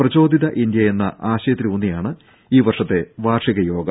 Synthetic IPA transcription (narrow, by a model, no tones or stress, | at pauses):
prɐt͡ɕo̞ːd̪ʱiðɐʔind̪jɐje̞nːɐ̰ʔaːɕɐjɐt̪ɾiunːijaːɳɨ | iːʋɐrʂɐt̪ːe̞ʋaːrʂiɣɐjo̞ːɡɐ